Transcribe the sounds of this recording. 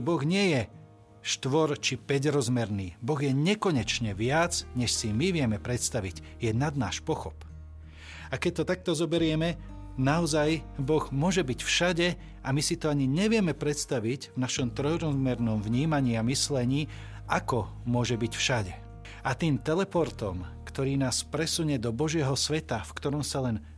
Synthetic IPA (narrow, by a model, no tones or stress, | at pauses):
bɔɣɲɪɛjɛ | ʃt̪ʋɔɾt͡ʃipɛɟɾɔzmɛɾniːbɔɣjɛɲɛkɔɲɛt͡ʃɲɛʋɪad͡zɲɛʃsimiʋɪjɛmɛpɾɛt̪st̪aʋiɟ | jɛnad̪na̰ːʃpɔxɔp | akɛc̚t̪ɔt̪ak̚t̪ɔzɔbɛɾɪɛmɛ | naɔzajbɔɣmʊɔʒɛbicfʃaɟɛ | amisit̪ɔaɲiɲɛʋɪɛmɛpɾɛt̪st̪aʋiɟvnaʃɔmt̪ɾɔjɾɔzmɛɾnɔmvɲiːmaɲiːamislɛɲiː | akɔmʊɔʒɛbicfʃaɟɛ | at̪iːmt̪ɛlɛpɔɾt̪ɔmkt̪ɔɾiːnaːspɾɛsuɲɛd̪ɔbɔʒɪɛɦɔsʋɛt̪afkt̪ɔɾɔmsalɛn